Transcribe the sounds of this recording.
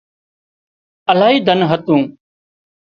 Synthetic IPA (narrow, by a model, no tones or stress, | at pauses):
əlaːɦiːd̪ʱənɦət̪ũː